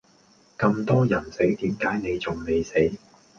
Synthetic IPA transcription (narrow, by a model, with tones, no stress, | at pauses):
kɐ˧mt̪ɔː˥jɐ˨˩nse˨˥jt̪iː˨˥mkaː˨˥jne˨˧jt͡sʊ˨˩ŋne˨˧jse˨˥j